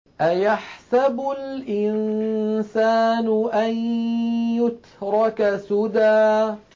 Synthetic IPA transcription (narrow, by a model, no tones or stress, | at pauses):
ʔajaħsabʊlʔɪnsaːnʊʔan | jʊt̪ | ɾˤɑkasʊd̪aː